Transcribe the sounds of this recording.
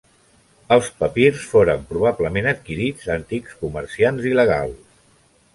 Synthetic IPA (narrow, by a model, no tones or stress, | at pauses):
əlˠspəpirsfoɾəmpɾuβ̞abləmenət̪kiɾid͡zənt̪ikskuməɾsianziləɣ̞a̰lˠs